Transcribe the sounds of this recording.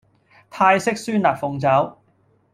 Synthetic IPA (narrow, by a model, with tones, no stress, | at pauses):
t̪ʰaː˧jsɪ˥k̚syː˥naː˨t̚fʊ˨ŋt͡sɐ˨˥w